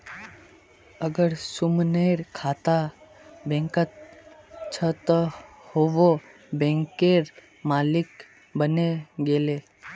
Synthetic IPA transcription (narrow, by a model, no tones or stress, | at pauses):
əɡəɾsʊmneɾkʰaːt̪a | bɛ̃ŋkət̪̚ | t͡ʃʰət̪ə | hoʋo | bẽːŋkeɾ | maːlɪk | bəneɡeːle